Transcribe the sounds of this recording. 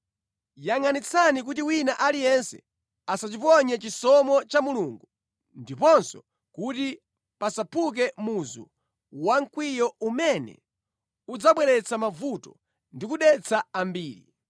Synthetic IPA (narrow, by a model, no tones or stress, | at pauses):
jaŋanit͡sʰanik̬utiwinaʔalijɛnsɛ̰ | asat͡ʃipɔɲɛt͡ʃisɔmɔt͡ʃamuluːŋɡu | ndipɔnsɔ | kuti | pasapʰuk̬ɛmuzṵ | waŋkwijɔumɛnɛ̰ | ud͡zaɓwɛɾɛt͡sʰamavutɔ | ndikuɗɛt͡sʰaambiːɾḭ